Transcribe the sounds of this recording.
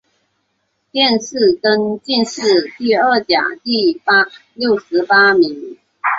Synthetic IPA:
t̪jɛ˥˧nʂɻ̩˥˩kə˥nt͡ɕi˥˧nʂɻ̩˥˧t̪i˥˧ə˥˩t͡ɕja̰˨˩t̪i˥˩pa˥ljo˥˩ʊʂɻ̩˧˥pa˥mi˧˥ŋ

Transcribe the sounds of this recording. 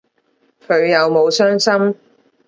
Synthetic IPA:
kʰɵ˨˧ɥjɐ˨wmo˨˧wsœː˥ŋsɐ˥m

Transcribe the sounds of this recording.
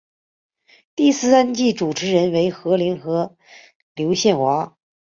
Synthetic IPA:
t̪i˥˧sɹ̩˥˧sa˥nt͡ɕi˥˩ʈ͡ʂu˨˩ʈ͡ʂʰɻ̩˧˥ɻə˧˥nwe˧˥ɪxɤ˧˥li˧˥nxɤ˧˥ | ljo˧˥ʊɕjɛ˥˩nxwa˧˥

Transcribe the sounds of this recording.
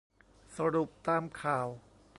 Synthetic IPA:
sa˧ɾu˨˩p̚t̪aː˧mkʰaː˨˩w | p

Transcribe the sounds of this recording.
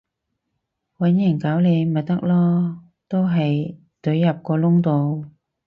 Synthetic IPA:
wɐ˨˥njɐ˨˩ŋkaː˨˥wle˨˧jmɐ˨˩t̪ɐ˥k̚lɔː˥ | t̪o˥wɦɐ˨j | t̪ɵ˨˥ɥːɐ˨p̚kɔː˧lʊ˥ŋt̪o˨˧w

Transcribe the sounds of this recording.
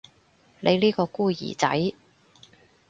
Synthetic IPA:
lʔe˨˧jliː˥kɔː˧kuː˥˩jḭː˨˩t͡sɐ̰˨˥j

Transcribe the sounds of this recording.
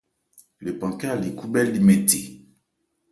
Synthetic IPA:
le˨pã˨ka˦˨li˨ku˦bɛ˦ldi˨me˨tḛ˨

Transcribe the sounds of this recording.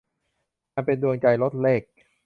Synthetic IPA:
aː˧npe˧ndu˧əŋt͡ɕa˧jlo˦˥t̪̚leː˥˩k̚

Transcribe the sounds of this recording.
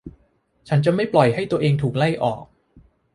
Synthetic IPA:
t͡ɕʰa˦˥nt͡ɕa˨˩ma˥˩jplɔ˨˩jɦa˥˩jt̪u˧ɐəʔeː˧ŋt̪ʰuː˨˩k̚la˥˩jʔɔ̰ː˨˩k̚

